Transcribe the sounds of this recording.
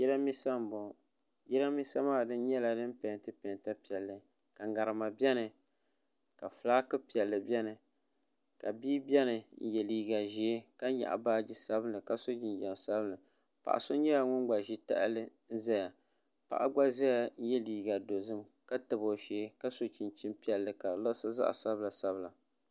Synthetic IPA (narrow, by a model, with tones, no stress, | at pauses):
jɛ˦ɾa˦mi˦sa˦m˨bo˨ | jɛ˦ɾa˦mi˦sa˦maː˦˨dɨ˦n˦ɲɛ˦la˨nɨ˦m˦pɛ˨n˨tɨ˦pɛ˨n˨ta˦pi˨ɛ˨lːɨ˨ | ka˨ɡa˨ɾɨ˨ma˨bʲɛ˦nɨ˨ | ka˨flaː˦kɨ˦pi˨ɛ˨lːɨ˨bʲɛ˦nɨ˨ | ka˨biː˦bʲɛ˦nɨ˨n̩˨jɛ˨liː˨˦ɡa˨ʒi˨˦ka˦ɲa̰˨ʔa̰˨baː˦d͡ʒi˦sa˦bɨ˦nɨ˨ka˦so˦d͡ʒi˨nd͡ʒa˨m˨sa˦bɨ˦nɨ˨ | pa̰˨ʔa̰˨so˦ɲɛ˦ja˨ŋʊ˦n˦ɡ͡ba˨ʒi˦ta̰˦ʔlɨ˦ | n̩˦za˦ja˨ | pa̰˨ʔa˦ɡ͡ba˦za˦ja˨n˦jɛ˦liː˨ɡa˨do˨zɨ˦m | ka˦tɨ˨bo˨ʃeː˨˦ka˦so˨t͡ʃi˨nt͡ʃi˦mpi˦ɛ˨lːɨ˨ka˨lɨ˦sɨ˦za̰˦ʔa̰˨sa˦bɨ˦la˨sa˦bɨ˦˨la˨